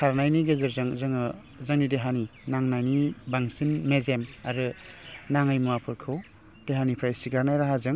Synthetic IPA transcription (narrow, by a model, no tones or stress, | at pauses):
kʰaɾnajniɡezɯɾzɯŋzɯŋɯ | zaŋnideɦaninaŋnajnibaŋsinmezemaɾɯ | naŋajmuapʰɯɾkʰɯw | d̥eɦanipʰɾajsiɡaɾnajɾaɦazɯŋ